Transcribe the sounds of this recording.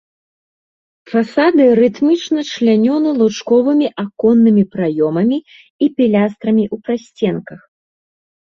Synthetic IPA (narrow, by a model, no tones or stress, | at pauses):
fasad̪ɨɾɨt̪mʲit͡ʂnɐt͡ʂlʲanʲɔnɨlˠut͡ʂkɔvɨmʲiʔakɔnːɨmʲipɾajɔmɐmʲi | ipʲilʲast̪ɾɐmʲiʔupɾasʲt͡sʲɛnkɐx